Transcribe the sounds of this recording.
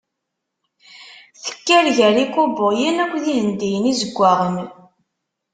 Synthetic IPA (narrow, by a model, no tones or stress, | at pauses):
θə̥kːælʝəɾikʊbəʁjənækʷðihənd̪ijənizəɡʷːaʁəm